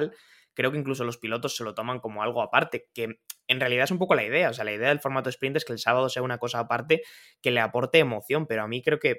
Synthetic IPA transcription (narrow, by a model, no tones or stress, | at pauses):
l | kɾe̞o̞keiŋkluso̞lo̞spilo̞t̪o̞sːe̞lo̞t̪o̞mãŋko̞mo̞alɣ̞oapaɾt̪e̞ke̞enrealiðaesumpo̞ko̞laið̞e̞aosealaiðe̞aðe̞lfoɾmat̪oðespɾint̪eskelsaβaðo̞se̞aunako̞saːpaɾt̪e̞ | ke̞le̞apo̞ɾt̪e̞ːmo̞θjo̞mpe̞ɾo̞amĩkɾe̞oke̞